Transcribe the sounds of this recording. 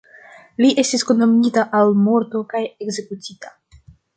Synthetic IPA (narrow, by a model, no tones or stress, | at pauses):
liʔe̞stiskunːomitaʔalmo̞ɾto̞kaje̞kze̞kutʰita